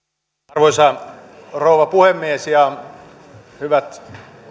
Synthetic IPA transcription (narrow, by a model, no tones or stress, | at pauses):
rʋoisɑ | rouʋɑpuhemːiesjɑ | hyʋæt̪